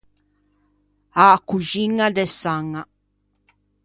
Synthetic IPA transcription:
akuʒiŋadesaŋa

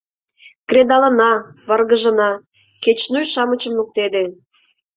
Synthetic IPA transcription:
kred̪ɑlə̆nɑβɑrɣə̆ʒə̆nɑ | ket͡ɕnujʃɑmət͡ɕəmluk̚t̪ed̪e

